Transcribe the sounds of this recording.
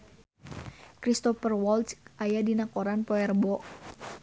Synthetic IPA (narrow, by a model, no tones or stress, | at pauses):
kɾist̪ɔfərwɔlt͡ʃʔajadinakɔɾanpɔɛrbɔʔ